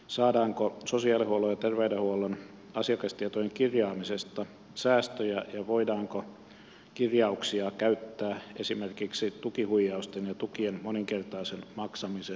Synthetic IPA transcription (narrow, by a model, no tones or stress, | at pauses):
sɑːdɑːŋkososiɑlihuolojɑt̪erʋeydehuolon | ɑsiɑkɑst̪iet̪ojeŋkirjɑːmisest̪ɑ | sæːst̪øjæjɑʋoidɑːŋko | kirjɑuksiɑkæyt̪ːæːesimerkiksit̪ukihuijːɑust̪enjɑt̪ukienmoniŋkert̪ɑːsenmɑksɑmise